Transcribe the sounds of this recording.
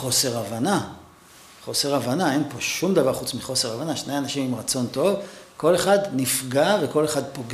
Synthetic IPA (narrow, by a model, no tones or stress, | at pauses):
χo̞se̞ʁavana | χo̞se̞ʁavanae̞npo̞ʃumd̪avaʁχut͡smiχo̞se̞ʁavanaʃne̞janaʃimimʁat͡so̞nto̞vko̞le̞χadnifɡave̞ko̞le̞χad̪po̞ɡ